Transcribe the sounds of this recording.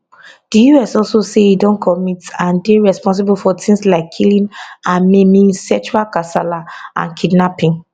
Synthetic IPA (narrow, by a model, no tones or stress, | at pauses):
d̥ijuɛsɔlsoseidɔ̃nkʰɔmitãndeɹɛspɔ̃ns̬ibulfɔtʰĩnslaɪkʰːilĩnãnmemĩsɛt͡ʃualkasalaʔã̰nkʰidnapĩŋ